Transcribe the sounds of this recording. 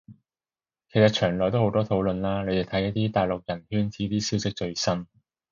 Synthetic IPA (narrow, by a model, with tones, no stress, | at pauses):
kʰe˨˩jsɐ˨t̚t͡ʃʰœː˨˩ŋlɔː˨˩jt̪o˥who˨˥wt̪ɔː˥t̪ʰo˨˥wlɵ˨˧nlaː˥ne˨˧t̪e˨˩t̪ʰɐ˨˥jɐ˥t̚t̪iː˥t̪aː˨˩jlʊ˨k̚jɐ˨˩nhyː˥nt͡sʰiː˨˥t̪iː˥siː˨˥wsɪ˥k̚t͡ʃɵ˧ɥsɐ˥m